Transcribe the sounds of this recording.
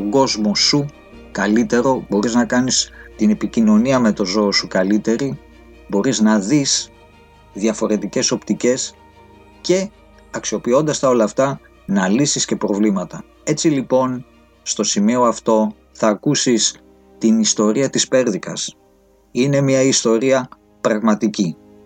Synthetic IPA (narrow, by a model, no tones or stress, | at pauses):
t̪oɡo̞zmo̞su | kɐlit̪e̞ɾo̞bo̞ɾiznɐkɐnist̪ine̞picino̞niɐme̞t̪o̞zo̞ːsukɐlit̪e̞ɾi | bo̞ɾiznɐðis | ðjɐfo̞ɾe̞t̪ice̞so̞pt̪ice̞s | ce̞ | ɐksio̞pio̞nd̪ɐst̪ɐo̞lɐːft̪ɐ | nɐlisisce̞pɾo̞vlimɐt̪ɐ | e̞t͡silipo̞n | st̪o̞simio̞ɐft̪o̞ | θɐːkusis | t̪inist̪o̞ɾiɐt̪ispe̞ɾðikɐ̰s | ine̞miɐist̪o̞ɾiɐ | pɾɐɣmɐt̪ici